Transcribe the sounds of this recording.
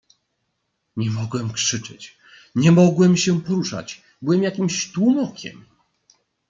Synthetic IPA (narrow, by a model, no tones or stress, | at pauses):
ɲɛmɔɡwɛmkʂɘt͡ʂɛ̰t͡ɕ | ɲɛmɔɡwɛmɕɛpɔɾuʂa̰t͡ɕ | bɘwɛmjakʲimɕt̪wumɔkʲɛ̰m